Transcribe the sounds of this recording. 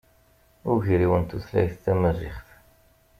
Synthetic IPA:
ʊʝɾiwənt̪uθlæ̰jθt͡s̪ːæməzḭχθ

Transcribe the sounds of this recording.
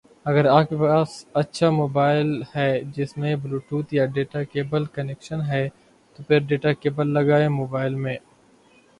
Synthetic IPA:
ɐɡəɾaːkepaːsɐtːʃʰamoːbaːɪlhɛːd͡ʒɪsmẽbluːʈuːt̪jaɖeːʈakeːbəlkɐnɛkʃənɦɛ | t̪opʰɪɾɖeːʈakeːbəlːɐɡaːemoːbaːɪlmẽː

